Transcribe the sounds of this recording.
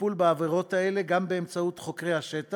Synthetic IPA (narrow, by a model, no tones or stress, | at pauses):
pulbaaveʁo̞thaele̞ɡambe̞ːmt͡saut̪χo̞kʁejhaʃeta